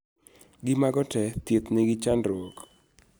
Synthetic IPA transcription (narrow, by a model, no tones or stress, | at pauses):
ɡɪmaɡɔtɛt̪it̪nɪɡɪt͡ʃanrwɔk